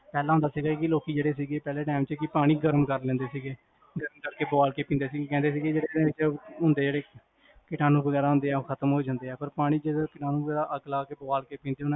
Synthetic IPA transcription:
pɛːlãːɦʊ̃nd̪aːsiːɡaːkɪloːkiːd͡ʒeːɽeːsiːɡeːpɛːleːʈaːɪmt͡ʃəkɪpaːɽ̃iːɡəɾmkəɾlɛ̃ːnd̪eːsiːɡeː | ɡəɾmkəɾkeːbaːlkeːpĩnd̪eːsiːɡeːkɛ̃ːnd̪eːs̬iːɡed͡ʒeːɽeẽɪt͡ʃːɦʊ̃nd̪eːd͡ʒeːɽeː | kɪʈaːnũːbəɡɛːɾaːɦʊ̃nd̪eːɛːoːkʰət̪əmɦoːd͡ʒãːnd̪eːɛːpəɾpaːɽ̃iːd͡ʒekɪʈaːnũːbəɡɛːɾaːʔəklaːkeːbəʋaːlkeːpĩːnd̪eːʊnã

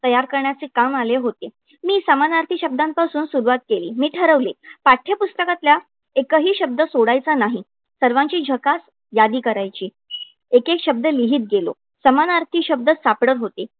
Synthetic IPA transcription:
t̪əjaɾkəɾɳjat͡sekamaleɦot̪e | miːsəmanaɾt̪ʰiɕəb̚d̪ampasuːnsuɾuʋat̪̚keliːmiːʈʰəɾəʋlepaʈʰːjəpust̪əkat̪lja | ekəɦiːɕəb̚d̪əsoɽajt͡sanaɦi | səɾʋãɲt͡ɕiːd͡ʑʱəkas | jad̪iːkəɾajt͡ɕiː | ekekɕəb̚d̪əliɦiːt̪̚ɡelo̰ | səmanaɾt̪ʰiɕəb̚d̪əsapɽəɾɦot̪e

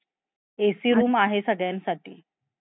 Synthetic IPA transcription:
esiːɾuːmaɦesəɡɭjansaʈḭː

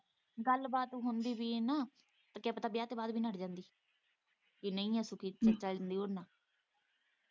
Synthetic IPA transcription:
ɡəlbaːt̪ũːɦʊnd̪iːʋiːenãː | t̪aːkaːpət̪aːbiːaːt̪eːbaːd̪biːnəʈd͡ʒãːnd̪iː | kinəĩːɛːsʊkiːt͡ʃət͡ʃəlnd̪iːoːɾnãː

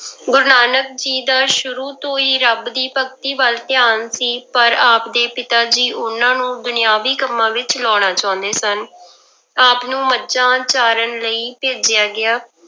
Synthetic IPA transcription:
ɡʊɾnaːnək̚d͡ʒiːd̪aːʃʊɾuːt̪õːiːɾəbd̪iːpək̚t̪iːbəlt̪ɪjaːnsiːpəɾaːpd̪eːpɪt̪aːd͡ʒiːʔʊnãːnũːd̪ʊnɪjaːʋiːkəmːãːʋɪt͡ʃlɔːɽ̃aːt͡ʃaːʊ̃nd̪eːsən | aːpnũːmətːt͡ʃãːt͡ʃaːɾənləiːpeːd͡ʒɪjaːɡɪaː

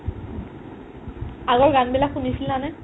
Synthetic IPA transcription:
aɡɔɹɡanbilakxunisilnanɛ

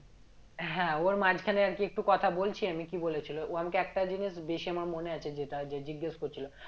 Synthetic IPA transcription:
ɦɛ̃oɾmad͡ʑʱkʰaneaɾkiek̚ʈukɔt̪ʰabolt͡ɕʰiamikibolet͡ɕʰiloʔamakeɛk̚ʈad͡ʑiniʃbeʃiamaɾmoneat͡ɕʰed͡ʑeʈad͡ʑed͡ʑiɡːaʃkoɾt͡ɕʰilo

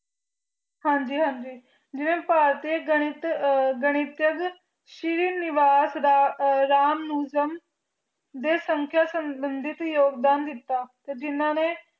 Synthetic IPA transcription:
hãːɲd͡ʒiːɦãːɲd͡ʒiː | d͡ʒɪnẽːpaːɾt̪eːɡəɽ̃ɪt̪ɡəɽ̃ɪt̪jəɡ | ʃɪɾiːnɪʋaːsɾɾaːmnuːd͡ʒəm | d̪eːsəŋkʰjaːsəmbənd̪ɪt̪joːɡd̪aːnd̪ɪt̪ːaːt̪eːd͡ʒɪnːãːneː

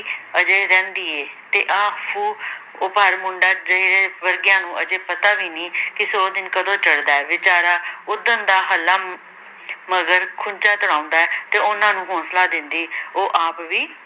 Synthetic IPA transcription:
əd͡ʒeːɾɛ̃ːnd̪iːeːt̪eːʔãːpʰuː | ʊpəːɾmʊɳɖaːd͡ʒəiːɾeːʋəɾɡɪjãːnũːʔəd͡ʒeːpət̪aːʋiːnĩːkɪsoːd̪ɪnkəd̪õːt͡ʃəɽd̪aːɛːʋɪt͡ʃaːɾaːʊd̪ənd̪aːɦəlaː | məɡəɾkʰʊnt͡ʃaːt̪ʊɽ̃ãːʊ̃nd̪aːɛːt̪eːʊnãːnũːɦɔ̃ːslaːd̪ɪnd̪iːoːʔaːpʋiː

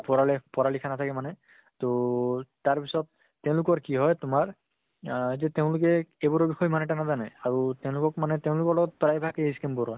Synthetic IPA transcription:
pɔɹalɛpɔɹalikʰanat̪ʰakɛmanɛ | totaɹpisɔt̚ː | ɛʊ̃lʊkɔɹkiɦɔjtʊmaɹ | zɛteʊ̃lʊkɛebɔɹɔbixɔjmanɛʈanazana̰jaɹutɛʊ̃lʊkɔk̚manɛteʊ̃lʊkɔɹlɔɡɔt̚pɔɹajbʱakeiskɛmbɔɹɔj

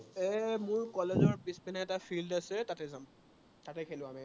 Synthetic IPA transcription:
ɛmʊɹkɔlezɔɹpispinaɛtafʰildasɛtatɛzam | tatɛkʰelʊ̃ami

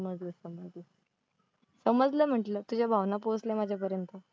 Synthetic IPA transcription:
əməd͡zləsəməd͡zlə | səməd͡zləm̤əʈlət̪ud͡ʑʱabʱaʋnaposlɛmad͡ʑʱjap̬əɾjənt̪ə

